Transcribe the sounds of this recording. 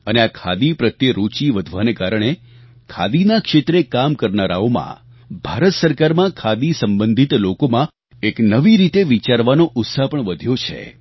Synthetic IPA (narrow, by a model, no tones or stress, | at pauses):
əneakʰa̰d̪ipɾət̪jəɾut͡ʃiʋəd̪ʱʋanekaɾəɳ̃e | kʰa̰d̪inakʃet̪ɾekamkəɾnaɾa̰omã̰ | bʱaɾət̪səɾkaɾmãkʰad̪isəmbənd̪ʱit̪lokomã | eknəʋiɾit̪eʋit͡ʃaɾʋanoʔʊt̪sapəɳʋəd̪ʱjot͡ʃʰḛ